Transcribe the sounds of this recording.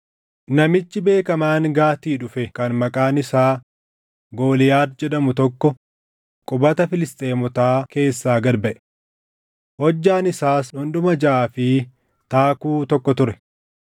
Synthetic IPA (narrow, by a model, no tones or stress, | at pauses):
nɐmɪt͡ʃːɪbe̞ːkɐmaːŋɡaːt̪iːᶑʊfɛkɐnmɐkʼaːnɪsaː | ɡo̞ːlɪjaːd̪d͡ʒɛᶑɐmʊt̪ɔkːɔ | kʼʊbɐt̪ɐfɪlɪst̪ʼeːmɔt̪aːke̞ːsːaːɡɐɾbɐʔɛ̥ | hɔd͡ʒːaːnɪsaːsᶑɔnd̪ʊmɐd͡ʒaːfɪ | t̪aːkuːt̪ɔkːɔt̪ʊɾɛ̥